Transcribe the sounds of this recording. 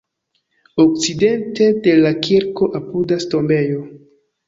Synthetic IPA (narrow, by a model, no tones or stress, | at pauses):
ok̚t͡side̞nte̞de̞lakiɾko̞ʔapudasto̞mbe̞jo